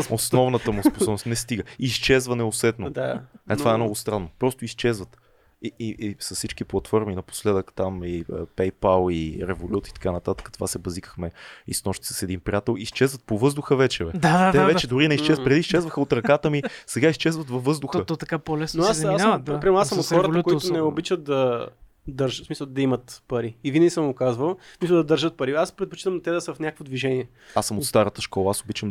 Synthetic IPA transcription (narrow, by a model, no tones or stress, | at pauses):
osnɔvnət̪əmusposɔbnosnɛst̪iɡəiːst͡ʃɛzvənɛosɛt̪noat̪ovaɛmnɔɡʊst̪ɾanːopɾɔst̪oist͡ʃɛzvət̪ | iiisɐssit͡ʃkiplˠɐt̪fɔɾminɐpo̥slɛd̪əkt̪amiəpɛjpalˠiɾɛvolʲut̪it̪ɐ̥kanət̪at̪ə̥kət̪o̥vasɛbɐzikəxmɛḭsnɔʃt̪i̥sə̥sɛd̪inpɾiat̪ɛlˠist͡ʃɛzvət̪̚povɤzd̪ʊxəvɛt͡ʃɛvɛd̪ad̪ad̪t̪ɛvɛt͡ʃɛd̪ʊɾinɛist͡ʃɛzpɾɛd̪iːst͡ʃɛzvəxəot̪ɾɐkat̪əmisɛɡaist͡ʃɛzvət̪vɐfvːɤzd̪ʊxət̪ot̪ɐkapolɛsnnoasmasnpɾimɛɾnasəmot̪xɔɾət̪tkoit̪ʊnɛobit͡ʃət̪̚d̪ɐ | d̪ɐɾʒsmisəlˠd̪ɐimət̪pɐɾiivinɛisəmʊkazvəlˠsmisəlˠd̪ɐd̪ɐɾʒət̪̚pɐɾiaspɾɛt̪̚po̥t͡ʃit̪əmnt̪ɛd̪ɐsəɐfnʲakəkvod̪viʒɛniɛ | asəmot̪st̪aɾət̪əʃkɔlˠɐasobit͡ʃəm